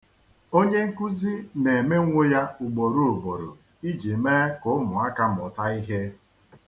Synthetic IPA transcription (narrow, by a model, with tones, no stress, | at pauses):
o˦ɲe˦ŋ̩˦ku˦zi˦ne˨me˦ŋʷo˦ja˦u˨ɡ͡bo˨ɾo˦o˨bo˨ɾo̰˨ | i˦d͡ʒi˨me˦kʊ˦mʊ˨a˦ka˦m̩˨ʊ˨ta˦i˦ɦe˦